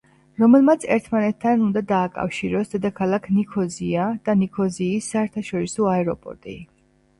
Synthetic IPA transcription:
ɾɔmɛlˠmat̪sʰɛɾt̪ʰmanɛt̪ʰːanund̪ad̪aːkʼa̰fʃiɾɔsd̪ɛd̪akʰalˠakʰnikʰɔziad̪̥anikʰɔziːsːaɛɾt̪ʰaʃɔɾisɔaɛɾɔpʼɔ̰ɾt̪ʼi

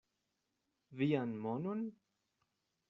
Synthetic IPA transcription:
vianmɔnun

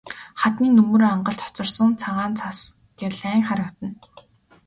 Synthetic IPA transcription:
χat̪niːnɵmɵːɾoːaɴɢə̆ɬt̪ʰɔ̥t͡sɞ̆rsə̆ŋt͡sʰaʁaːnt͡sʰas | ɡeɮæːŋχaɾə̆kt̪ə̆n

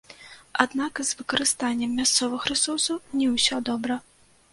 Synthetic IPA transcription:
ad̪nakzvɨkɐɾɨst̪anʲːɛmːʲast̪sɔvɐxɾɨsɔsɐwnʲɛwsʲɔd̪ɔbɾɐ

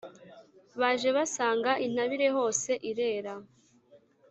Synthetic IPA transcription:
βaːʒe̞βasaːŋɡaʔin̥haβiɾe̞ɦo̞ːse̞ʔiɾe̞ːɾa

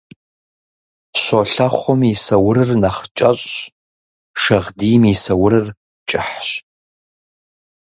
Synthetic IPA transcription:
ɕoɬɐχʷɔmisɐwʊɾɨrnɐχt͡ʃʼɐɕʼ | ʂɐʁdiːmisɐwʊɾɨr | t͡ʃʼɪħɕ

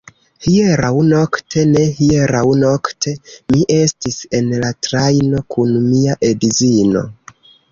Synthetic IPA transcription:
hieɾawno̞ktʰe̞ne̞hie̞ɾawno̞ktʰe̞miʔe̞stise̞nlatɾajno̞kʰunmiaʔe̞dizino̞̰

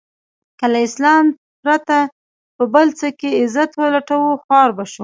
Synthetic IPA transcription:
kəlaɪslɑm | pɾat̪a | pəbəlt͡səkeɪzat̪wəlaʈawuxwɑɾbaʃu

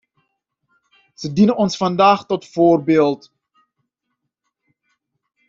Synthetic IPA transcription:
z̥ədinənɔnsfɑndaːχtɔtfoːrbeːlˠt

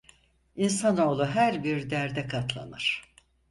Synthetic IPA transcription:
insano̞ːlˠuɦæɾbiɾd̪æɾd̪ɛkʰat̪lˠa̰nɯɾ̥

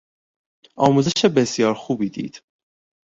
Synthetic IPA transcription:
ʔɒːmuːzeʃebesjɒːɾxuːbiːd̪ḭːd̪̥

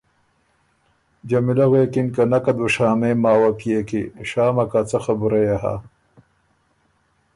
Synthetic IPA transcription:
d͡ʑɐmilɐɣweːkinkɐnɐkɐd̪wuʂaːmeːmaːwapijekiɕaːmɐkat͡sɐxɐbuɾɐjaɦa̰

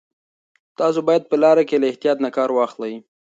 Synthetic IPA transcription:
t̪ɑs̬obɑjad̪̚pəlɑɾakelaɪht̪ijɑt̪nakɑɾwɑxlawi

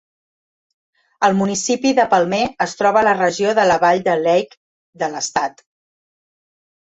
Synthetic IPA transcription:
əlˠmunisipiðəpəlˠmeəst̪ɾɔβələrəʒioðələβaʎd̪əlɛjk | d̪ələst̪at̪

